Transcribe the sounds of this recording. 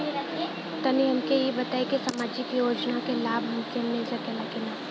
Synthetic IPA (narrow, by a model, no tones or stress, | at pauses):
t̪ɐniɐmkejebɐt̪aːekesamaːd͡ʒɪkjoːd͡ʒnakelaːbɦɐmsemeːzɐkelakena